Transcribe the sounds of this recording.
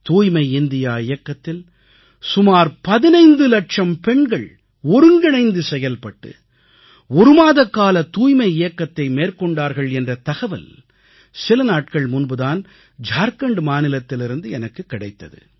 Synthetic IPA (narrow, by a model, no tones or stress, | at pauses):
t̪uːjmɐɪɪnd̪ɪjaːɪjɐkːɐt̪ːɪl | sʊmaːɾpɐðɪnɐɪnd̪ɯlɐʈʂɐmpɛɳɡɐɭ | ɔɾɯŋɡɐɳɐɪnd̪ɯsɛjɐlpɐʈːɯ̰ | ɔɾɯmaːðɐkːaːlɐt̪uːjmɐɪɪjɐkːɐt̪ːɐɪmeːrkɔɳɖaːɾɣɐɭɛndrɐt̪ɐɣɐʋɐ̰l | sɪlɐnaːʈ̚kɐɭmʊnbɯðaːn | d͡ʒaːɾkɐɳɖmaːnɪlɐt̪ːɪlɪɾɯnd̪ɯɛnɐkːɯkːɪɽɐɪt̪ːɐðɯ̰